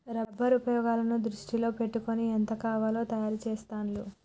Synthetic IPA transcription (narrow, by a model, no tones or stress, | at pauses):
ɾɐbʱːɐɾupɐjɔːɡaːlɐnud̪ɾuʂʈilo̞ːpe̞ʈːukoniɐnt̪ɐkaːʋaːlo̞ːt̪ɐjaːɾut͡ʃeːst̪aːnlṵ